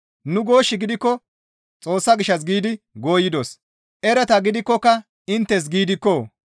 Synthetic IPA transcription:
nʊɡo̞ːʃːɪɡɪd̪ɪkːɔ | t͡sʼo̞ːsːɐɡɪʃːɐs̬ɡiːd̪ɪ | ɡo̞ːjɪd̪os | ʔɛɾɛt̪ɐɡɪd̪ɪkːɔkːɐ | ɪnt̪ːɛs̬ɡiːd̪ɪkːoː

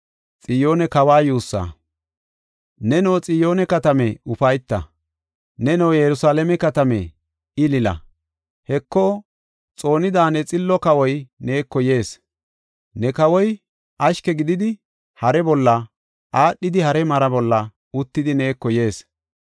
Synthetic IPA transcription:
t͡sʼɪjo̞ːnɛkɐwaːjuːsːa̰ː | nɛnɔwt͡sʼɪjo̞ːnɛkɐt̪ɐmɛʊfɐjt̪ːɐ̰ | nɛnɛwjɛɾʊsaːlemɛkɐt̪ɐmɛ̰ | ɪlɪlɐ̰ | hɛkːɔ | t͡sʼo̞ːnɪd̪aːnɛt͡sʼɪlːɔkɐwɔjne̞ːkːɔje̞ːs | nɛkɐwɔj | ʔɐʃkɛɡɪd̪ɪd̪ɪ | hɐɾɛbɔlːɐ | ʔaːɗːɪd̪ɪhɐɾɛmɐɾɐbɔlːɐ | ʊt̪ːɪd̪ɪne̞ːkːɔje̞ːs

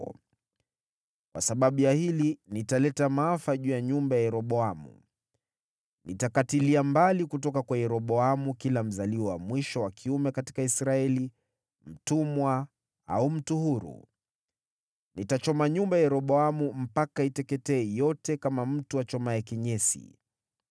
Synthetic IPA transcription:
kwasaɓaɓujahilinitalɛtamaafaʄuːjaɲumbajajɛɾɔɓɔamṵ | nitakatiliambalikutɔkakwajɛɾɔɓɔamukilam̩zaliwɔwamwiʃɔwakʰiumɛkati̥kaisɾaɛli | m̩tumwa | a̰um̩tuhuɾṵ | nitat͡ʃɔmaɲumbajajɛɾɔɓɔamum̩pakaitɛkɛtɛːjɔtɛkamam̩tuwat͡ʃɔmajakiɲɛsḭ

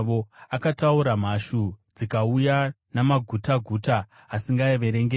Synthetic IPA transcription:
ʋoakatauɾam̤aʃud͡zikauja | namaɡʱutaɡʱuːtaː | siŋɡaeʋe̞ɾeŋɡe

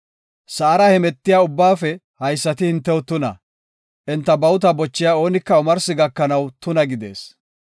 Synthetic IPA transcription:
sɐːɾɐhɛmɛt̪ːɪjaːʊbːaːfɛ | hɐjsːɐt̪ɪhɪnt̪ːɛwt̪ʊnɐ̰ | ʔɛnt̪ːɐbɐwʊt̪̬ɐbɔt͡ʃːɪjao̞ːnɪkːɐʊmɐɾsɪɡɐkːɐnɐwt̪ʊnɐɡɪd̪ḛːs

